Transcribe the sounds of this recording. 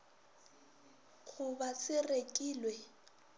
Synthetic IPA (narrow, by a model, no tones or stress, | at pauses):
k͡xʰʊbasɪrekʼiːlwɛ